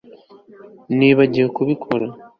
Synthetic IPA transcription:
niβaɟijekuβikʰo̞ɾa

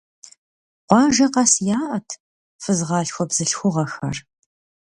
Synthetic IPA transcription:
qʷɑːʒɐqɑsjaːʔɐtʰ | fɨzʁɑːɬxʷɔbz̥ɨɬxʷʊʁɐxɐr

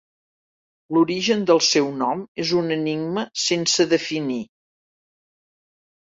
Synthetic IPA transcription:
luɾiʒənd̪əlˠsɛwnɔmezunəniɡməsensəðəfini

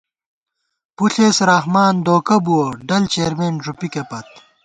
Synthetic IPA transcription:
puɬeːsɾaːxmaːnd̪oːkɐbuoɖɐlt͡ɕeːɾmeːnʐupikepɐt̪̚

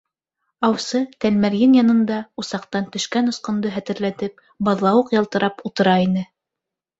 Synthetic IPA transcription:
ɑwsɤt̪ælmæɾjɘnjɑnɤ̆nd̪ɑusɑqt̪ɑnt̪ɵ̆ʃkænŏsqŏnd̪ɤɦæt̪ɘ̆ɾlæt̪ɘp̚ | bɑðlˠɑwɤqjɑlˠt̪ɤ̆ɾɑput̪ɤ̆ɾɑinɘ

